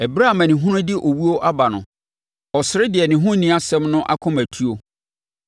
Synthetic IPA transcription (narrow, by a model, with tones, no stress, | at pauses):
ɛ˨bɾa˦˨mã˨nɪ̃˨ɦʊ̃˦ɾʊ̃˦dɪ˦ʔo˨wu˦o˦ʔa˦ba˨nʊ̰̃˨ | ɔ˨sɪ˨ɾɪ˦dɪ˨ɛ˨nɪ̃˨ɦʊ̃˦nĩ˦a˦sɛ̃˦mnʊ̃˦ʔa̰˦kʰʊ̃˦mæ˨tʰu˦o˦